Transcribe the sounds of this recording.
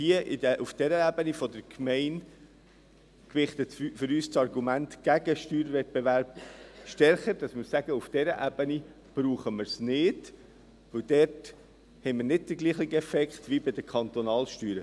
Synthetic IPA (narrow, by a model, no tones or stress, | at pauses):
hiəʔɪdəʔufd̥ɛɾəæbənifɔdəɾkʰmɛɪn | kvɪχt̪ətfʏɾyːst͡sɑɾɡumæntɡ̥æɡəʃtyːɾvɛt̚b̥eʋæɾb̥̚ʃtɛɾχəɾd̥ɑsmɪɾsæɡəufd̥ɛɾəʔæb̥əni | b̥ɾuːχəmɪɾsnɪd̥ | ʋɵwd̥ɛɾt | hɛɪməɾnɪdd̥əɡliːχiɡɛfɛkχt̪ʋibɪd̥̪əkʰχɑnt̪ɔnɑːlʃtyːɾə